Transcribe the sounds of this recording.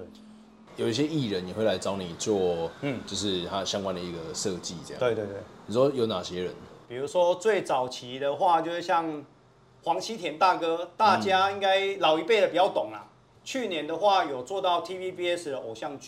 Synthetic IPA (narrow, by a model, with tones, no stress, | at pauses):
jo˨˩ʊi˥˩ɕ̬jɛ˦˥i˥˨ɻə˦ni˨xwe˥˩la˧˦ɪt͡sɑ˦˥ʊni˨˩t͡swɔ˥˨˧t͡ɕjo˥˧ʊʂɻ̩˥˩t̪ʰa˦ɕja˦ŋkwa˦nd̪ə˨i˧ɡə˩ʂɤ˥˧t͡ɕi˥˨t͡sə˥˧j̰a̰˧e˧t̪we˥˧e˥˩ni˨˩ʂwɔ˦jo˨˧˥ʊna˨˩ɕjɛ˦ɻə˨˦npi˨˩ɻu˧˦ʂwɔ˦t͡swe˥˩ɪt͡sɑ˨˩ʊt͡ɕʰi˨˦d̪ə˧xwa˥˧t͡ɕjo˥˧ʊʂɻ̩˥˧˩ɕja˥˨ŋ | xwɑ˧˥ŋt͡ɕʰi˥t̪ʰjɛ˨˧˥nt̪a˥˨kɤ˦t̪a˥˨t͡ɕja˦i˦˥ŋka˥ɪlɑ˨˩ʊi˧˥pe˥˩ɪdə˨pi˨˩t͡ɕja˥˩ʊt̪o˨˩ŋla̰˨ | t͡ɕʰy˥˨njɛ˨˧˦nd̪ə˨xwa˥˩jo˨˩ʊt͡swɔ˥˧t̪ɑ˥˩ʊt̪ʰi˦pi˦pi˥ɛ˥sd̪ə˨˩ʔo˨˩ɕja˥˧ŋ